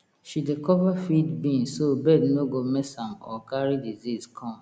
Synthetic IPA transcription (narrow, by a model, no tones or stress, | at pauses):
ʃidekɔvafidbĩnsobɛdnoɡomɛsãmɔ̰kaɹidizizkʰɔ̃m